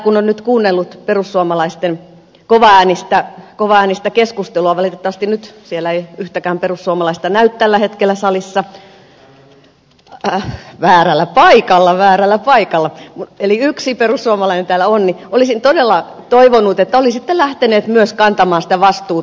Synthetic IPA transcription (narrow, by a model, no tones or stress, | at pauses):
kunonnyt̪kuːnːelːut̪perusːuomɑlɑist̪en | koʋɑæːnist̪ækoʋɑæːnist̪ækeskust̪eluɑʋɑlit̪et̪ːɑʋɑst̪innyt̪sielæeiyht̪ækæːmperusːuɑmɑlɑist̪ɑnæyt̪t̪ælːæhet̪kelːˑæsɑlisːɑ | ʋæːrælːæpɑikɑlːɑʋæːrælːæpɑikɑlːɑmueliyksiperussuɑmɑlɑinent̪æːlːˑæonniolisint̪odelːˑɑ | t̪oiʋonut̪et̪ːæolisit̪ːelæht̪eneːt̪myøskɑnt̪ɑmɑːnsĭ̥t̪æʋɑst̪uː